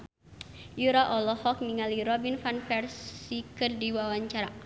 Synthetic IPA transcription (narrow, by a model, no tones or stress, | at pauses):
juɾaʔɔlɔhɔk̚niŋaliɾɔbinfanfɛrsikɨrdiwawaɲt͡ʃaɾa